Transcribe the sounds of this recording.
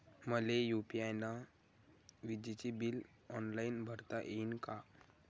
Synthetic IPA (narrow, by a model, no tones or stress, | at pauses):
məlejupiajna | ʋid͡ʑit͡ɕibil | ɔnlainbʱəɾt̪aʔeinka